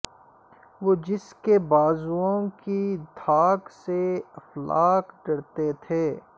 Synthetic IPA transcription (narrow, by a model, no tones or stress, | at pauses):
ʋoːd͡ʒɪskebaːzuõkid̪ʱaːkseɐflaːkɖɐɽt̪et̪ʰeː